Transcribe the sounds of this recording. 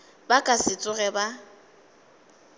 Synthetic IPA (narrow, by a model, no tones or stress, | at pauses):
bakʼasɪt͡sʼʊɣɛba